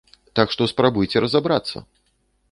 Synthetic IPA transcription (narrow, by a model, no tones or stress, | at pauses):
t̪akʂt̪ɔspɾabujt͡sʲɛɾɐzabɾat̪sːɐ̰